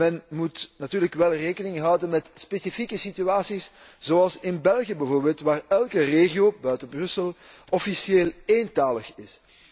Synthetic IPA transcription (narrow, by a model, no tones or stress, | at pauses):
mɛnmutnatyːrləkʋɛlˠreːkənɪŋɦɑwdənmɛtspesifikəsityaːsis | z̥oɑlˠsɪnbɛlˠɣiəbɛvoːrbeːlˠtʋaːrɛlˠkəreːɣioːbœɥtəbrɵsəlˠ | ɔfisjeːleːntaːləxɪs